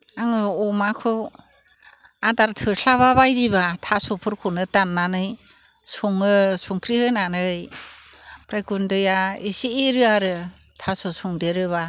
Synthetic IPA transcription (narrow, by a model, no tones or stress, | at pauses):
aŋɯɔmakʰɯ | adaɾtʰɯɬʰaβaβajdibatʰasɔpʰɯɾkʰunɯtanːanɯjsɔŋɯsuŋkʰɾihɯnanɯj | pɾakundɯjaisiːɾɯaɾɯ | tʰasosɔŋdeɾɯβa